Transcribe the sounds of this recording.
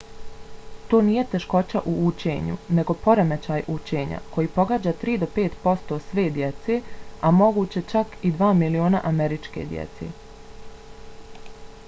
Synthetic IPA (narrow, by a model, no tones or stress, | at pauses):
t̪oːnije̞t̪e̞ʃko̞t͡ɕaʔuut͡ɕe̞̰ːɲṵne̞ɡo̞po̞ɾemet͡ɕaːjʔut͡ɕe̞ːɲa̰kʰo̞jiːpo̞ɡaːd͡ʑaːt̪ɾiːd̪o̞pe̞ːt̪po̞st̪o̞sʋe̞ːd̪je̞t̪se̞amo̞ɡuːt͡ɕe̞t͡ʃakid̪ʋaːmilio̞ːna̰ʔame̞ɾit͡ʃkḛd̪jḛt̪se̞̰ː